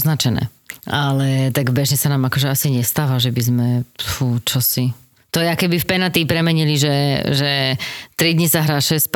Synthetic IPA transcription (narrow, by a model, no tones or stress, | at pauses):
znat͡ʃɛnɛ̰ː | alɛt̪aɡbɛʒɲɛsanaːmakɔʒɛasiɲɛst̪aːʋaʒɛbizmɛfut͡ʃɔsi | t̪ɔjɛakɛbifpɛnat̪ipɾɛmɛɲiliʒɛʒɛt̪ɾid̪ɲisaɦɾaːʃɛsp